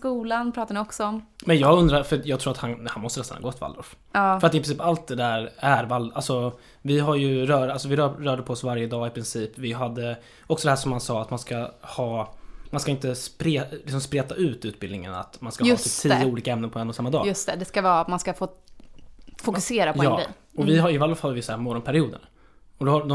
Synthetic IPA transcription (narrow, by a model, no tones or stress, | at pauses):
kuːlanpʰɾɑːt̪anɪɔksɔɔmmɛnjɑːɡɵnd̪ɾaɾfœjɑːɡt̪ʰɾuːɾat̪hanhanmɔst̪ənɛst̪anhɑ̰ɡoːɛt̪va̰ld̪ɔ̰ɾf | ɑːfɾat̪ɪpɾɪnsiːpalt̪̚d̪ɛd̪æːɾæɾvalalsɔ | vɪɦaɾjɵɾœːɾalsɔvɪɾœːɾœːɖəpʰɔɔsvaɾjəd̪ɑːɪpʰɾɪnsiːpvɪɦad̪ːə | ɔksɔd̪ɛhæːʂɔmhansɑːat̪manskahɑːmanskaɪnt̪əspɾeːlɪksɔmspɾeːt̪aʔʉ̟ːt̪ʉ̟ːt̪̚bɪld̪ɪŋə̰na̰t̪manskaːtʰɪlt̪ʰiːəuːliːkaɛmnənpʰɔɛnːɔsamːad̪ɑ̰ːɵst̪ɛd̪ɛskaɑːt̪manskafoː | fʊkɵseːɾapjɔɑːɛ̰ | ɔvɪɦaɪvalːɔfhad̪əvɪjsːɾmɔɾɔnpʰæɾɪuːd̪ə̰n | ɔd̪ɔhad̪ɔ